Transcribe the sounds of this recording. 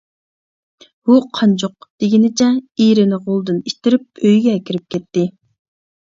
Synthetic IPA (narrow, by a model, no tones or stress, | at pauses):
uqʰɑnd͡ʒoq̚d̪̥eɡʲinɪt͡ʃʰɛiɾɪnɪʁolˠd̪ɨnit̪ɪɾɪp̚øjɡʲɛːkʲʰiɾɪp̚kʲʰɛt̪ːɪ